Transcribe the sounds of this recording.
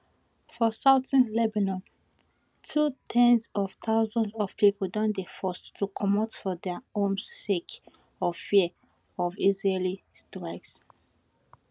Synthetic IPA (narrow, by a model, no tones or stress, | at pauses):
fɔsaʊtĩnlɛbanɔ̃n | tʰutʰɛ̃nsɔv̥tʰaʊzɔ̃ndsɔv̥pʰipədɔ̃ndefɔstʰːukʰɔmɔtfɔdɛõnsek | ɔfi | ɔvizɹelistɹaks